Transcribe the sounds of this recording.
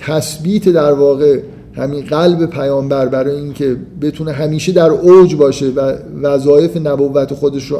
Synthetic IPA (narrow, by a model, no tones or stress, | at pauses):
t̪ʰæsbiːt̪ʰe̞d̪æɾvɒːɣe̞ | hæminɢælbe̞pʰæjɒːmbæɾbæɾɒːjeincʰe̞be̞t̪ʰune̞ɦæmiːʃe̞d̪æɾowd͡ʒbɒːʃe̞vævæzɒːje̞fe̞næbovːæt̪ʰe̞xo̞d̪eʃɾo